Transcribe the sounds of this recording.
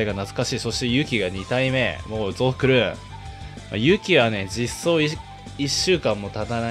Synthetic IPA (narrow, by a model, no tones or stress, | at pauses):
eɡanat͡sɨ̥kaɕiːso̞ɕi̥t̪e̞jɯ̟ːkʲiɡaɲ̟it̪aime̞mo̞ːzo̞̥ːkɯ̟ɾɯ̟ | ma̰jɯ̟ːkʲiβane̞d͡ʑisːo̞ːi | iɕːɨːkãmːo̞t̪at̪ana